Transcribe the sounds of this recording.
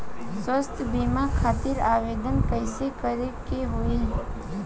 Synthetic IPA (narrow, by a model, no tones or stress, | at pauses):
swəst̪ʰbimakʰaːt̪ɪɾaːʋeːd̪ənkəɪsekəɾekeɦʊi